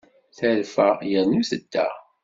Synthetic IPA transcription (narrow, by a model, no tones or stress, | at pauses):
θəɾfæjəðnuθəd̪ːæ̰